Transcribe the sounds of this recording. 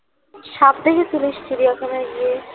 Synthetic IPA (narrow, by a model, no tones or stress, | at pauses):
ʃap̚d̪ekʰet̪uliʃsiɾijakʰanaɡie